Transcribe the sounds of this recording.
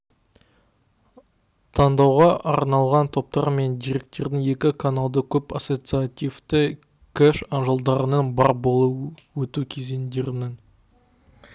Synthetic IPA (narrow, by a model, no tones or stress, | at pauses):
t̪ʰɑnd̪ɑwʁɑʔɑɾnɑlˠʁɑnt̪ʰo̞p̚t̪ɑɾme̞nd̪ijɾe̞k̚t̪e̞ɾd̪ɪŋe̞kʲɪkʰanalˠd̪əkʲʰɵpaso̞t̪sɨat̪ijft̪ə | kʲʰæʃɑnʒəlˠd̪ɑɾənɑnbɑɾbo̞lˠəwɵt̪ukʲʰe̞zend̪e̞ɾɪnɪŋ